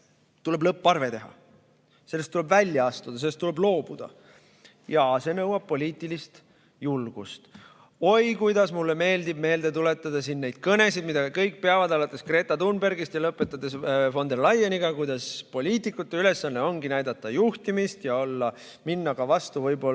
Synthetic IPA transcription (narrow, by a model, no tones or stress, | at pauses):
t̪ule̞blɤpːɑrve̞t̪e̞ɦɑ̰ | se̞lːest̪ːule̞bvælʲjɑɑst̪ud̪̥ɑse̞lːest̪ːule̞blo̞ːb̥ud̪̥ɑ̰ | jɑse̞nɤwɑb̥̚po̞lʲiːt̪ːˑilist̪ | julɡ̥ust̪ | o̞jkujd̪ɑsmulːeme̞ːld̪ib̥me̞ːld̪̥e̞t̪ule̞t̪ːˑɑd̪̥ɑsinːe̞jd̪̥̚kɤne̞sid̪mid̪ɑkɤjk̚ːˑpeɑvɑd̪ɑlɑt̪ːˑe̞skre̞ːt̪ˑɑt̪unberɡist̪jɑlɤpːˑe̞t̪ˑːɑd̪̥e̞sfo̞nd̪e̞rlɑjːeniɡ̥ɑkujd̪̥ɑspo̞lʲiːt̪ˑikːˑut̪ːe̞yle̞sːɑnːe̞o̞nɡ̥inæjd̪ɑt̪ːˑɑjuht̪imist̪jɑo̞lːɑ | minːɑkɑvɑst̪uvɤjbo̞